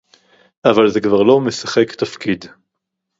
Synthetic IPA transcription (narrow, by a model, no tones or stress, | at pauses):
ʔavalzekvaʁlo̞mesaχekt̪afkid̪